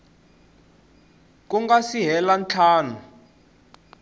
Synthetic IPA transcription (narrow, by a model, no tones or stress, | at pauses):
k̬ʼuŋɡasiɦɛlant͡ɬʰaːnu